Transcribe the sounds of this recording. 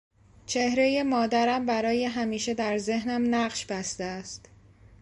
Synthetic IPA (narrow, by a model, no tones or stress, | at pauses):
t͡ʃʰe̞hɾe̞je̞mɒːd̪æɾæmbæɾɒːje̞ɦæmiːʃe̞d̪æɾze̞ɦnæmnæɢʃb̥æst̪eæst̪